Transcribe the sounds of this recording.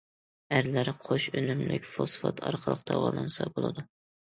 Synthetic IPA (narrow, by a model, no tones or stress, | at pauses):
æɾlæɾqʰoʃønymlɪkʲfosfɑt̪ʰɑɾqʰəlˠəqd̪ʰɑwɑlˠɑnsɑbolˠɨd̪u